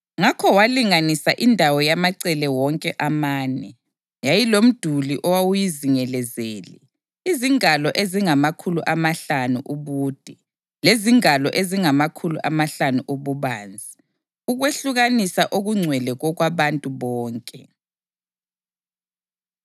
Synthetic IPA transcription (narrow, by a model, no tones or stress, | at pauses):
ŋakʰɔwaliŋanisaʔindʱawɔjamaǀɛlɛwɔŋkʼɛʔamaːnɛ | jajilom̩d̥ʱuliʔɔwawujiziŋɛlɛzeːlḭ | iziŋalɔʔeziŋamakʰulṵʔamaɬanuʔuβuːd̥ʱɛ | leziŋalɔʔeziŋamakʰulʔamaɬanuʔuβuβaːnd͡zʱi | uɣweɬuɣanisaʔoɣuŋ͡ǀʱwɛlɛɣɔɣwaβantʼuβɔːŋkʼɛ